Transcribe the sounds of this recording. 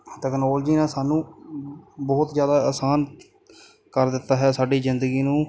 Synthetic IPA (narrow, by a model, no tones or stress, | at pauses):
ʈɛːknoːləd͡ʒiːnãːsaːnũː | bɔːt̪zjaːd̪aːəsaːn | kəɾd̪ɪt̪ːaːɦɛːsaːɖiːzɪnd̪əɡiːnũː